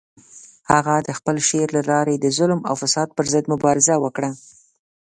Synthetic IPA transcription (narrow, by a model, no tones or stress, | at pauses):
haɣad̪əxpəlʃeɾlalɑɾad̪əzʊlma̰wfasɑd̪̚pəɾzəd̪mʊbɑɾɪzawəkɽa